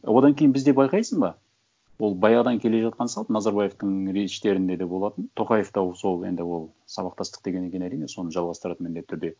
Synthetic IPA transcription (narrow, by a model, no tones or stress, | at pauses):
wo̞d̪ɑŋkʲʰe̞jɪnbɪzd̪e̞pbɑjqɑjsəzbɑ | wo̞lˠbɑjɑʁd̪ɑŋkʲʰe̞le̞ʒɑt̪qɑnəsɑlˠb̪nɑzɑɾbɑje̞ft̪əɴɾeʃt̪e̞ɾɪnd̪e̞d̪ebo̞lˠɑt̪ənt̪ʰo̞qɑje̞ft̪ɑso̞lˠe̞̰nd̪ɪwo̞lˠ | sɑβɑqt̪ɑst̪ə̥q̚d̪eɡʲe̞nekʲe̞næɾijne̞so̞nəʒɑlˠʁɑst̪əɾɑt̪ənmɪnd̪et̪ʰːʏɾd̪e̞